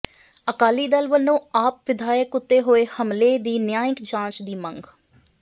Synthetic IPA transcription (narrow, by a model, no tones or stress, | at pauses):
əkaːliːd̪əlʋənːũːaːp̚ʋɪd̪ʱaːjəkʊt̪ːeːɦoːeːhəmleːd̪iːnjaːjɪkd͡ʒãːt͡ʃd̪iːmə̃ŋɡ